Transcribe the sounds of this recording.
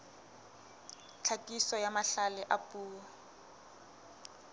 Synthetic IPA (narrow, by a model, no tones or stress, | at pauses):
t͡ɬʰatʼisɔjamaɬalɛʔapʼuːɔ